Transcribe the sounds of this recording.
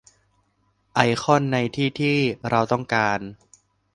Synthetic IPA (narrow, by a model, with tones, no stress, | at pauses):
ʔa˧jxʰɔ˥˩nːa˧jt̪ʰiː˥˩t̪ʰiː˥˩ɾʔa˧wt̪ɔ˥˩ŋkaː˧n